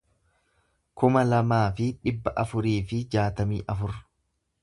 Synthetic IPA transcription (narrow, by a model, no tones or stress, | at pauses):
kʊmɐlɐmaːfɪᶑɪbːɐʔɐfʊɾiːfɪd͡ʒaːt̪ɐmḭːʔɐfʊɾ